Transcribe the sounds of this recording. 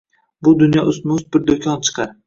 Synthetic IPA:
bʊd̪ʊnjɒʔʊsmʊsbɪɾd̪okʲʰɒnt͡ʃʰɨ̥qʰɑɾ

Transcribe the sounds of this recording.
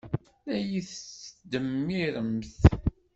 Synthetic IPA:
læjiθsd̪əmːiɾəmθ

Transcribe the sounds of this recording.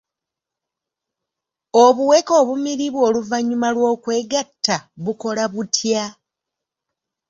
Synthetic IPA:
oβuwe̞ko̞ːβumiɾiβwo̞ːluvaɲːumalwo̞ːkwe̞ːɡatːaβuko̞laβutʰja

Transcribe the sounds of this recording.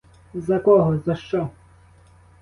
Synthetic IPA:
zɐkɔɦɔzɐʃt͡ʃɔ

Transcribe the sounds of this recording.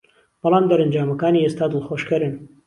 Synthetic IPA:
b̥ɨlˠɑːmd̪ɐɾɐnd͡ʒaːmɐkaːniːest̪aːd̪ɨlxoːʃkɐɾɨn

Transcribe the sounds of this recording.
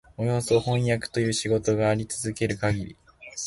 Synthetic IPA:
o̞jo̞ːso̞hõ̞jakɯ̥t̪o̞jɯ̟ːɕiɡo̞t̪o̞ɡaːɾʲit͡sɨzɨke̞ɾɯ̟kaɡʲiɾʲḭ

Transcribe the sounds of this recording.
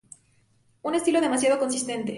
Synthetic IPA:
une̞st̪ilo̞ðemasjað̞o̞ko̞ns̬ist̪e̞nt̪e̞

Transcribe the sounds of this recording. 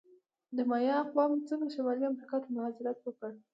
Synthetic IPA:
d̪əmajɑqwɑmt͡səŋɡɾaʃamɑliamɾikɑt̪əmʊhɑzɪɾat̪wəkəɽ

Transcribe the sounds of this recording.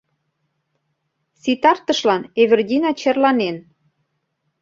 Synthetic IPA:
sit̪ɑrt̪əʃlɑneβerdʲinɑt͡ɕerlɑnen

